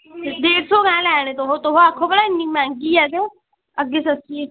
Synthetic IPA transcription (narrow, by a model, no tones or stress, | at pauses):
d̪eːɾsoːkɛ̃ːlɛːñet̪oɦoːt̪oɦõːakʰːõːpəɽaːɪnːiːmɛ̃ːŋɡiːɛːt̪e | əɡːeːsəsie